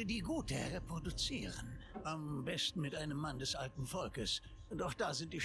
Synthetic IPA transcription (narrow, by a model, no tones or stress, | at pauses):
diːɡuːtəʁepʁ̥odut͡siːʁənʔambɛstn̩mɪtʔaɪnəmːandɛsʔaltn̩fɔlkəs | ʔʊntaʊxd̥aːzɪnt̚d̥iː